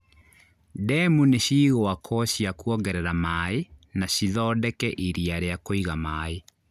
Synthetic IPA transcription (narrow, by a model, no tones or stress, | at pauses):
dɛmuneɕiːɣoakʰɔɕjakuɔɡɛɾɛɾamaːenaɕiðɔdɛkɛʔiɾiaɾeakoiɣamaːe